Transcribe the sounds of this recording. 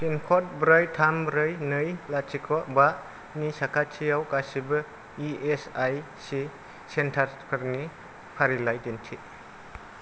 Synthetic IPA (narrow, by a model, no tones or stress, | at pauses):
pʰinkʰɔt̚bɾajtʰambɾɯjnɯjlat͡ʃʰikʰɔʔbaʔ | nisakʰatʰijawkasibɐ | iesaj | si | sentʰaɾpʰɯɾni | pʰaɾilajdentʰi